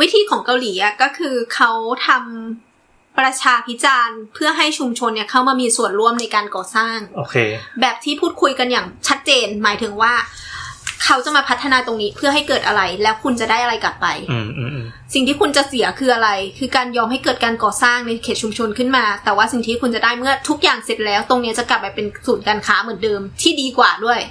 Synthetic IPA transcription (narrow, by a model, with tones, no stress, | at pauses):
wi˦˥t̪ʰiː˧kʰɔː˩˦ŋka˧wliː˩˦ʔa˨˩kɔː˥˩kʰɯː˧kʰa˦˥wt̪ʰa˧m | pɾa˧t͡ɕʰaː˧pʰi˦˥t͡ɕaː˧npʰɯ˥˩ɐɦa˥˩jt͡ɕʰu˧mt͡ɕʰo˧nːi˥˩ɐkʰa˥˩wmaː˧miː˧su˨˩ənɾu˥˩əmna˧jkaː˧nkɔː˨˩saː˥˩ŋo˨kʰe˧bɛː˨˩p̚t̪ʰiː˥˩pʰuː˥˩t̪̚kʰu˧jka˧njaː˨˩ŋt͡ɕʰa˦˥t̪̚t͡ɕeː˧nmaː˩˦jt̪ʰɯ˨˩˦ŋwaː˥˩ | kʰa˦˥wt͡ɕa˨˩maː˧pʰa˦˥t̪ʰːa˧naː˧t̪o˧ŋniː˦˥pʰɯ˥ɐɦa˥˩jkɤː˨˩t̪̚ʔa˧ɾa˧jlɛː˦˥wkʰu˧nt͡ɕa˨˩daː˥˩jʔa˧ɾa˧jkla˨˩pːa˧j | si˨˩ŋt̪ʰiː˥˩kʰu˧nt͡ɕa˨˩si˩˦kʰɯː˧ʔa˧ɾa˧jkʰɯː˧kaː˧njɔː˧mɦa˥˩jkɤː˨˩t̪̚kaː˧nkɔː˨˩saː˥˩ŋna˧jkʰeː˨˩t̪̚t͡ɕʰu˧mt͡ɕʰo˧nkʰɯ˥˩nmaː˧t̪ɛː˨˩waː˥˩si˨˩ŋt̪ʰiː˦˥kʰu˧nt͡ɕa˨˩daː˥˩jmɯ˥˩ɐt̪ʰu˦˥k̚jaː˨˩ŋse˨˩t̪̚lɛː˦˥wt̪o˧ŋni˦˥ɐt͡ɕa˨˩kla˨˩p̚ːa˧jpe˧nsuː˨˩˦nkaː˧nkʰaː˦˥mɯ˨˩˦əndɤː˧mt̪ʰiː˥˩diː˧kwaː˨˩du˥˩əj